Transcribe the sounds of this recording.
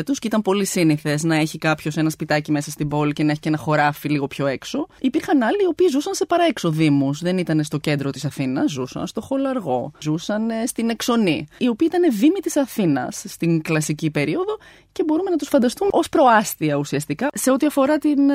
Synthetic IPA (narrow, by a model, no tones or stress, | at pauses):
t̪uscit̪ɐmpo̞lisiniθe̞znɐe̞çikɐpço̞se̞nɐspit̪ɐcime̞sɐst̪ibo̞lice̞nɐeçice̞nɐxo̞ɾɐfiliɣo̞pço̞e̞kso̞ipiɾxɐnɐliːo̞piːzusɐnse̞pɐɾɐekso̞ðimusðe̞nit̪ɐnest̪o̞ce̞nd̪ɾo̞t̪isɐθinɐsːusɐ̰nst̪o̞xo̞lɐɾɣo̞zusɐnst̪ine̞kso̞niio̞piːit̪ɐne̞vimit̪isɐθinɐ̰sːt̪iŋklɐsicipe̞ɾio̞ðo̞ | ce̞bo̞ɾume̞nɐt̪usfɐnd̪ɐst̪umo̞spɾo̞ɐst̪iɐusiɐst̪ikɐse̞o̞t̪iɐfo̞ɾɐt̪in